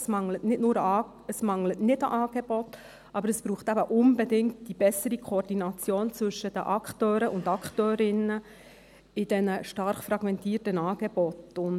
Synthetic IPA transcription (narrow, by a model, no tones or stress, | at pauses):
smɑŋlətnɪtnʊːɾɑ | əsmɑŋlətnɪtəʔɑːɡ̥eb̥ɔt | ʔɑbəɾəsb̥ɾuːχt̪æbəʔʊnbɛdɪŋtd̥ib̥ɛsəɾikʰoːrdinɑt͡sjoːnt͡sʋɵʃəd̥ə̰ʔɑktøːɾəʔʊndɑkχtøːɾɪnə | ɪd̥ɛnəʃtɑɾχfɾɑɡ̥mɛntiːtənɑːɡ̥ɛb̥ɔtʊn